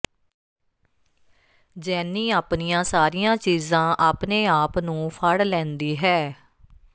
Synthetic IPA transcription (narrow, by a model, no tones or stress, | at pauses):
d͡ʒɛːnĩːaːpnijãːsaːɾijãːt͡ʃiːzãːʔaːpneːaːpnũːpʰəɽlɛ̃ːnd̪iːɦɛː